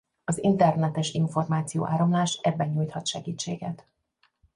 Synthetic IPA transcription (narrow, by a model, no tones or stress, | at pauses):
ɒzḭnt̪ɛrnɛt̪ɛʃiɱfo̞rmaːt̪sijo̰ːʔaːɾomlaːʃɛbːɛɲuːjt̪hɒt̪ʃɛɡiːt͡ʃːḛːɡɛt̪